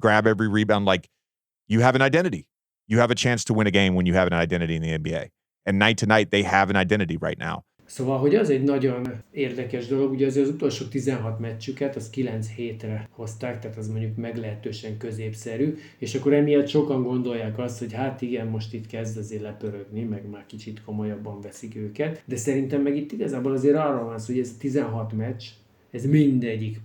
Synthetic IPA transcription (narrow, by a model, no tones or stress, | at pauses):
ɡ̥ɹæbɛvɹiɹibãnlaɪk | jɨəvɨ̃naɪdɛ̃ɾ̃ɨɾi | jɨːvɨt͡ʃʰæ̃nstʰəwɪ̃ñɨɡẽɪ̃mwə̃njɨɨvɨ̃n̩aɪdɛ̃ɾ̃ɨɾiɨ̃nðiɛ̃nbieɪ | ɨ̃nːaɪtʰɨnaɪt̪̚ðeɪɨvɨ̃naɪdɛ̃ɾ̃ɨɾiɹa̰ɪtⁿna̰ʊ | sovɒlɦo̞ɟɛzɛɟnɒɟo̞neːrd̪ɛkɛʒd̪o̞lo̞ɡuɟɛɒzeːɾɒzut̪o̞lʃoːt̪izɛnɦɒt̪mɛt͡ʃt͡ʃːykɛt̪ɒskilɛnt̪sheːt̪rɛho̞st̪aːkt̪aːt̪ɛzmo̞ɲɟukmɛɡlɛɦɛt̪øːʃɛŋkø̞zeːpsɛɾy | eːʃɒkːo̞ɾɛmijɒt̪ʃo̞kɒŋɡo̞nd̪o̞jːaːkɒst̪ho̞chaːt̪iɡɛnmo̞ʃt̪it̪kɛzd̪ɒzeːrlɛpøɾøɡnimɛɡmaːrkit͡ʃit̪ko̞mo̞jɒbːɒɱvɛsikøːkɛt̪d̪ɛsɛɾint̪ɛmːɛɡit̪ːiɡɒzaːbolɒzeːɾɒrːolvɒnsoːhɛzt̪izɛnɦɒt̪mɛt͡ʃ | ɛzmind̪ɛɟːik